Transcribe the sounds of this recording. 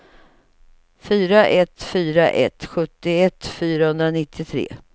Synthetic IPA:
fyːɾaʔɛt̪fyːɾaʔɛ̰t̪ɧɵt̪ːɪɛt̪ːfyːɾahɵnd̪ɾanɪt̪ʰːɪt̪ʰɾḛː

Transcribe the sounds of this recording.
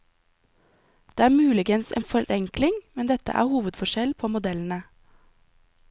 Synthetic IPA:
d̪̥eːæːmʉːlɪɡənsḛːnfɔɾʔɛŋklɪŋmɛnd̪ɛt̪ə̰ʔæ̰ːhuːʋəd̪fɔʃɛlpʰoːmʊd̪ɛln̩ə

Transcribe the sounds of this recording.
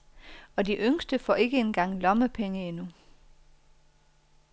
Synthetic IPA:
ɒ̽diʔøŋsd̥əfɒ̰ːe̝ɡ̥əenɡ̥ɑ̈ŋ̰lɒ̽məpʰeŋəe̝nu

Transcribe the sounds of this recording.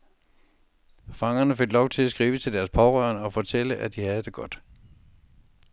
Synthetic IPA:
fɑ̈ŋɐnəfe̝ɡ̥lɒʊt͡sʰe̝læsɡ̥ʁḭːʋət͡sʰe̝ld̥æɐspʰɒʁœɐ̰nɒ̽fɒ̽t͡sʰel̰əʔæd̥ihæð̞ˠd̥e̝ɡ̥ɒ̽d̥

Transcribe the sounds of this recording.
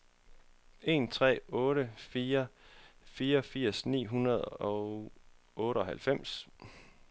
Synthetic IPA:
e̝̰ːnt͡sʰʁɛ̰ːɔ̽ːɾəfiːɐfiːɐɒfiɐ̰snḭːɦunɐð̞̩ˠɒ̽ | ɔ̽ːɾəɒ̽hælfem̰s

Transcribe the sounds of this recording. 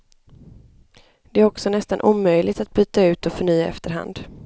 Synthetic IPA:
d̪̥ɛæɾɔksɔnɛst̪anʔuːmœjlʔɪɡt̪at̪̚byːt̪aʉ̟ːt̪ɔfœɳyːaɛ̰ft̪əɾɦa̰nd̪

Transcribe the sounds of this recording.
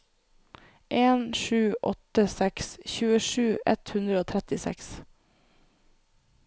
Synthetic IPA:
ʔeːnʂʉːʔɔ̰t̪əsɛksçʉːəʂʉːʔɛt̪hʉnd̪ɾəoːt̪ʰɾɛt̪ɪsɛ̰ks

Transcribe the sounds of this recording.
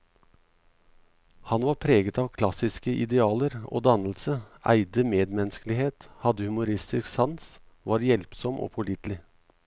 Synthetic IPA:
hɑnʋɑːɾpʰɾeːɡət̪ɑːʋkʰlɑsɪskəʔɪ̰d̪ɛɑːləɾo̰ːd̪ɑnl̩səʔæ̰ɪd̪əmeːd̪mɛnskəlɪheːt̪hɑd̪əhʉmʊɾɪst̪ɪsksɑns | ʋɑːɾjɛlpsɔmʔo̰ːpʰʊlɪt̪lɪ

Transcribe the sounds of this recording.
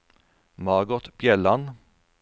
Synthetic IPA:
mɑːɡɔt̪b̥jɛlan

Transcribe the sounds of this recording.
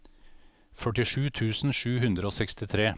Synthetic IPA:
fœʈɪʂʉːt̪ʰʉːsn̩ʃʉːhʉnd̪ɾəoːsɛkst̪ɪt̪ʰɾeː

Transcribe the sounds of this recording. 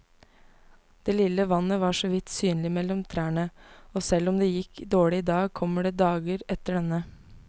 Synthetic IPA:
d̪̥eːlɪləʋɑnəʋɑːʂɔːʋɪt̪syːnlɪmɛlɔmt̪ʰɾæːɳəoːsɛlɔmd̪eːjɪkd̪oːɭɪd̪ɑːɡ̚kʰɔmːəɖeːd̪ɑːɡəɾɛt̪əɖɛnə

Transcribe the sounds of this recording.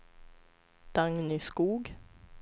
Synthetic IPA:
d̪̥aŋnɪskuːɡ

